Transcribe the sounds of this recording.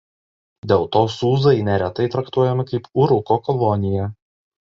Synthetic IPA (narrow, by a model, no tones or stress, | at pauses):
d̪ʲeːlˠt̪oːsuːzɐɪnʲɛɾʲɛt̪ɐɪt̪ɾɐkt̪uɔjɛmɐkɐɪpʊɾʊkoːkɔʋonʲɪjɛ